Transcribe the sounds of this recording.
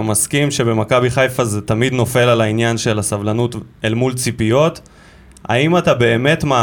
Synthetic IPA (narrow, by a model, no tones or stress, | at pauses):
maskimʃe̞be̞makabiχajfazetamid̪no̞fe̞lalainjanʃe̞lasavlanutelmult͡sipijo̞t | a̰imatabe̞ːme̞tma